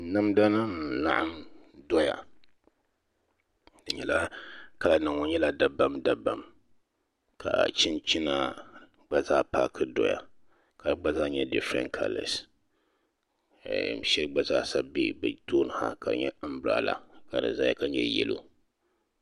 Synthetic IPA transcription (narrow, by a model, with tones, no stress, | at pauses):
nɨ˦mda˦nɨ˦n˨la̰˦ʔa˦mdɔ˦ja̰˨ | dɨ˨ɲɛ˦la˦ka˨la˨nɨ˨ŋo˦ɲɛ˦la˦da˨ba˦mda˨ba˨m | kʰa˨t͡ʃɪ˦nt͡ʃi˦na˦ | ɡ͡ba˦zaː˦paː˦kʰɨ˦dɔ̰˦ja̰˨ | ka˨ɡ͡ba˦zaː˦ɲɛ˦dɪ˦fɾɛ̰̃˦nkʰa̰˨˦lɛ̰˨s | ʃɛ˦lɡ͡ba˦zaː˦sa˦bḭ˦bɨ˨toː˦nɨ˨ha̰˦ka˨ɲɛ̰˦m̩˦bɾa̰˦la˨ka˨nɨ̰˨za˦ja˦ka˨ɲɛ̰˦jɛ̰˦lo̰˦